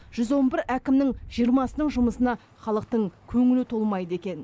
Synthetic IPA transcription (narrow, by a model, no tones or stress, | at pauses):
ʒ̥ʏzwo̞nbɪɾækʲɪmnɪŋʒ̥ijəɾmɑsənəɴʒʊməsənɑ | χɑlˠəq̚t̪əɴkʲʰɵŋɪlɪt̪ʰo̞lˠmɑjd̪əe̞kʲe̞n